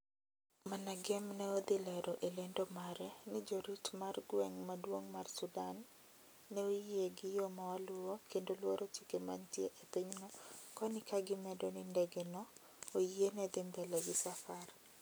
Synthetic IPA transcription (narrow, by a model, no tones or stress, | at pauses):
manaɡɛmnɛod̪ɪlɛɾoʔelendomaɾɛnɪd͡ʒoɾitmarɡwɛŋmadwoŋmarsudanː | ɛojieɡɪjomawalʊokendolwoɾʔot͡ʃikema̰ntjeʔepiɲnɔkɔnɪkaɡɪmɛdonɪndɛɡenɔ | ojienɛd̪ɪmd̪ɛlɛɡɪsafar